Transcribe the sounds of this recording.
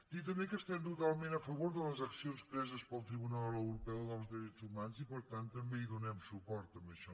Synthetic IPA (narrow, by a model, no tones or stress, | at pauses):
d̪it̪̬əmbekəst̪ɛmt̪ut̪alˠmẽnəfəβoɾðələzəksionspɾɛzəspəlˠt̪ɾiβunallˠəwɾupɛwðəlˠzðiɾɛzumanzipəɾt̪ant̪ːəmbeiðunɛmsupɔɾt̪əmbəʃɔ